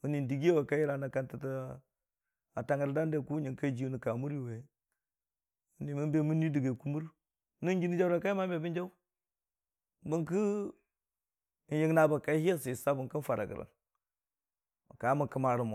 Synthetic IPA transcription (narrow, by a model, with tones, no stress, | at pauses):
u˦ni˨n˨di˨ɡi˦e˦we˨ka˦ji˦ɾa˨na˨ka˦nti˨ta˦ | a˨ta˦ŋə˨ɾda˦nde˨ku˦ɲi˨ŋka˦d͡ʒi˦u˦ni˨ka˨mu˦ɾi˦we˨ | u˦ni˨mu˦mbe˦mu˦ni˦di˨ɡe˨ku˦mu˦ɾ | nu˦d͡ʒi˦ni˦d͡ʒa˦wɾa˨ka˦i˦ma˦be˨bi˦nd͡ʒa˦u˦ | bu˦ŋki˦˨ | nji˦ɡna˨ba˨ka˦hi˦a˦si˨sa˦bu˨ŋkə˦n˦fa˨ɾa̰˨ɡə̰˨ɾa̰˨n | ma̰˨ka˨˦mu˨kə˦ma˨ɾu˨mo˨